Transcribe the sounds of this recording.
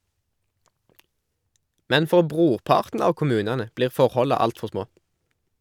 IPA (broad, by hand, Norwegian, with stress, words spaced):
ˈmɛn ˈfɔʁ ˈbʁuːʁˌpɑːʁtn̩ ˈɑːʋ kʊˈmʉːnɑnə ˈbliːʁ ˈfɔʁhɔlɑ ˈɑltfɔʁ ˈsmoː